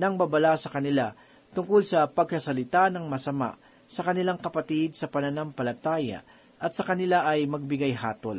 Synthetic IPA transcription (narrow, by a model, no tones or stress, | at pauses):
nɐŋbabɐlasɐkɐnɪla | t̪ʊŋkolsɐpɐɡ̚kɐsɐlɪt̪anɐŋmɐsɐma̰ʔ | sɐkɐnɪlaŋkɐpɐt̪id̪̚sɐpɐnɐnampɐlɐt̪aːjɐ̰ | ʔɐt̪̚sɐkɐnɪlaʔɐjmɐɡ̚bɪɡajɦaːt̪ol